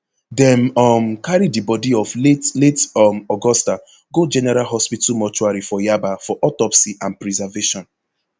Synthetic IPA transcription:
dɛ̃mɔmkaɹidibɔdiɔfletletɔmɔɡɔsta | ɡod͡ʒɛnɛɹalɦɔspitumɔt͡ʃuaɹifɔjabafɔʔɔtɔpsiʔãnpɹizaveʃɔ̃n

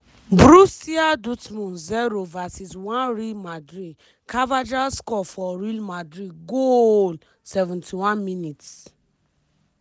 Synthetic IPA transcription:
bɾusiadutmũnzɛɾovasiswãnɹilmadɹid | kʰavad͡ʒaskɔfɔɾilmadɹiɡol | sɛvũntiwãnminit

